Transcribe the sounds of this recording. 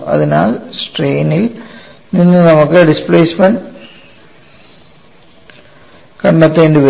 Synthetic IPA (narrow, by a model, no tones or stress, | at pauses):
ɐ̰ðina̰ːlsʈreːnilninːɨnɐmukːɨɖispleːsmɐnɖ | kɐɳːɐt̪ːeːndɨʋe